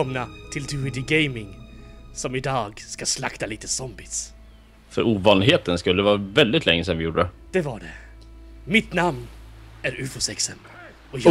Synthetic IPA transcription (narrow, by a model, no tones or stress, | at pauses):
ɔmnat̪ʰɪld̪ʰʉːɪd̪ɪɡejmɪŋsɔmɪd̪ɑːɡskaslakt̪aliːt̪əsɔmbɪs | fœɾuːvɑːnɪɦeːt̪ənskɵlːəvɑːɾvɛld̪ɪt̪lɛŋːəsɛnvɪjuːɖəə | d̪̥ɛvaɖɛ | mɪt̪namn | æɾʉːfʊsɛksəm | ɔj